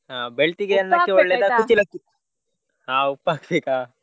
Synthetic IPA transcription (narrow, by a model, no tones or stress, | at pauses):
ɦaːbeɭt̪iɡeɐnːɐkːeɔɭːeːd̪akut͡ʃːilɐkːi | ɦaːupːaːkseka